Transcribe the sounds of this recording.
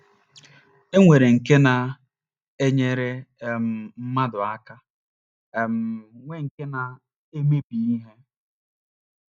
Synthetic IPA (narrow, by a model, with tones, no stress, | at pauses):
e˦ŋʷe˨ɾe˨ŋ̩˨ke˦na˨ | e˦ɲe˦ɾe˦˨m̩˨m̩˦ma˦dʊ˨a˦ka˦˨ | m̩˨ŋʷe˦ŋ̩˨ke˦na˨ | e˦me˦pi˨i˦ɦe˦